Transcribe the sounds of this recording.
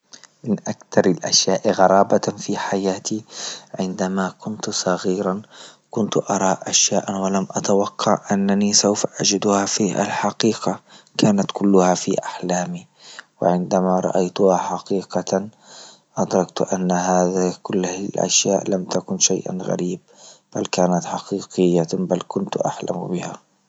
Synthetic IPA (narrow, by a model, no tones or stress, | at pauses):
mɪnʔakt̪ɑɾˤalʔa̰ʃjaːʔɣɑɾˤɑːbafiħajaːt̪iʕɪnd̪amakʊnt̪sˤɑɣiːɾˤɑn | kʊnt̪ʔɑɾˤɑːʔʔaʃjaːʔanwalamʔat̪awɑqːɑʕʔanːanisawfaʔad͡ʒɪd̪ʊhafiʔa̰lħɑqiːqakaːnat̪kʊlːʊhafḭʔaħlaːmi | wɪ̰ʕɪnd̪amaɾˤɑ̰ʔajt̪ʊhaħɑqiːqɑ | ʔɑd̪ɾˤɑɡ̚t̪ʔanːahaːðakʊlːhlʔa̰ʃjaːʔlamt̪akʊnʃa̰jʔa̰nɣa̰ɾiːb̚b̥alkaːnat̪ħɑqiːqɪjːabalkʊnt̪ʔaħla̰m̰bɪha